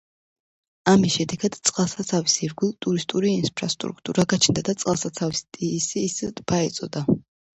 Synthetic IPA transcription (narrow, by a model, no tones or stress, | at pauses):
amisʃɛd̪ɛɡad̪̥t̪sʼqʼalˠsat̪sʰavisiɾɡilˠt̪ʼuɾist̪ʼuɾiːnpʰɾa̰st̪ʼɾṵkʰt̪ʼṵɾaɡat͡ʃʰnd̪ad̪at̪sʼqʼalˠsat̪sʰavist̪ʼisisd̪baɛt̪sʼɔd̪a